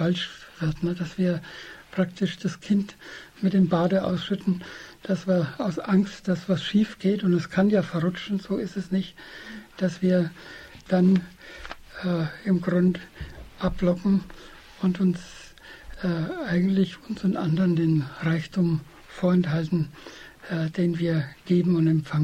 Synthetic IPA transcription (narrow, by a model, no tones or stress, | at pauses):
falʃv̥ɪɐtnəd̥asv̥iːɐpʁ̥aktʰɪʃd̥askʰɪntmɪt̚d̥eːmbaːdəʔa̰ʊsʃʏtn̩d̥asv̥iːɐaʊsʔaŋstd̥asv̥asʃiːfɡ̥eːtʊntɛskʰanjaːfɛɐʁʊt͡ʃn̩zoːɪstɛsnɪçtd̥asv̥iːɐ | d̥an | ɛːɪmɡʁʊndʔaplɔkŋ̩ | ʊntʊns | ɛːʔaɪɡŋ̩tlɪçʊnsʊntʔandɐʁndeːnʁaɪçtʰʊːm | foːɐɛnthaltn̩ | ɛd̥eːnviːɐɡ̥eːbm̩ʊntɛmfaŋə